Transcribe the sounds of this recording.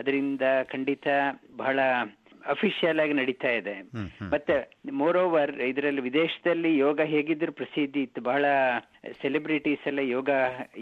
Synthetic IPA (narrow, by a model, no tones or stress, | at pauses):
ɐd̪ɐɾind̪ɐkʰɐɳɖit̪ɐbɐɦɐɭɐ | ɐpʰiʂijɐlaːɡinɐɽit̪aːjid̪emɐt̪ːemoːɾoːʋɐɾid̪ɐɾɐlːiʋid̪eːʃɐ̥d̪ɐlːijɔːɡɐɦeːɡid̪ɐɾupɾɐsid̪ʱːit̪ːubɐɦɐɭɐ | selibɾiʈiːsɐlːɐjɔːɡɐ